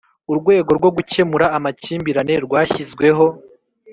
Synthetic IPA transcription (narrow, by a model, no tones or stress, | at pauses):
uɾɡwe̞ːɡo̞ɾɡwo̞ɡuce̞muɾaːmaciːmbiɾane̞ɾɡwaːçizɡwe̞ɦo̞